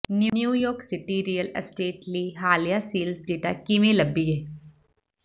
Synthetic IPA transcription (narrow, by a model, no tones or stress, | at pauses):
njunjuːjoːɾksɪʈiɾijəlɐsʈeːʈliɦaːlijasiːlsɖeːʈa̰kimelɐbːijeː